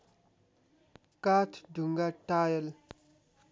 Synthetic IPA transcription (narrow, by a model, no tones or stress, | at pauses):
kaːt̪ʰɖʱuŋɡaʈaːjəl